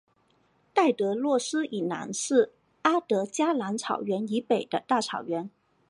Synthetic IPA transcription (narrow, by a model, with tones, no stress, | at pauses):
t̪a˥˩ɪt̪ɤ˧˥lwɔ˥˩ʂɹ̩˥ʔi˨˩na̰˧˥nʂɻ̩˥˩ | a˥t̪ɤ˧˥t͡ɕja˥la˧˥nt͡sʰɑ˨˩ʊɥɛ˧˥ni˧˥pe˨˩ɪd̪ə˦t̪a˥˩t͡sʰɑ˨˩ʊɥɛ˧˥n